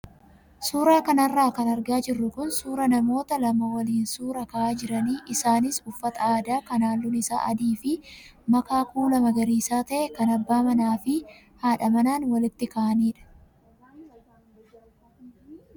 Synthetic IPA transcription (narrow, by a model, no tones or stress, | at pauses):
suːɾaːkɐnɐrːaːkɐnɐɾɡaːd͡ʒɪrːʊkʊnsuːɾɐnɐmo̞ːt̪ɐlɐmɐwɐliːnsuːɾɐkɐʔaːd͡ʒɪɾɐniːʔɪsaːnɪsʊfːɐt̪ɐaːd̪aːkɐnaːlːʊnɪsa̰ːʔɐd̪iːfɪmɐkaːkuːlɐmɐɡɐɾiːsaːt̪ɐʔɛkɐnɐbːaːmɐnaːfɪ | haːᶑɐmɐnaːnwɐlɪt̪ːɪkɐʔɐniːᶑɐ̥